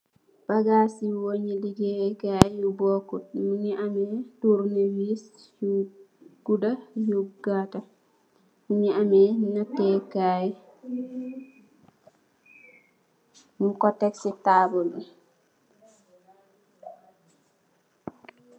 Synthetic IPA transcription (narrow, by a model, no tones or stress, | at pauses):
b̥aɡasiwoɲiliɡɛɡajjubɔkut̚muɲiʔamɛtuɾniwis | j | ɡudajuɡata | muɲiamɛnatɛkaj | muŋkɔtːɛksitabulu